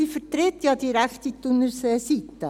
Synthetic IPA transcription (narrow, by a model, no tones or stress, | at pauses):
iːfəɾt̪ɾet̪jɑd̪iɾækt̪it̪ːʊnəɾsɛsit̪ːə